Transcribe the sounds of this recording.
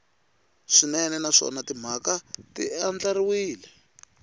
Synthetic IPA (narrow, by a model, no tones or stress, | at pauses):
ʂinɛnɛnaʂɔ̰natim̤akatiand͡ɮaɾiwiːlɛ